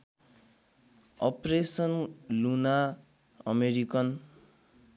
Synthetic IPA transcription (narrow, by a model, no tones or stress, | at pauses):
ʌpresʌnluna | ʌ̰meɾikʌn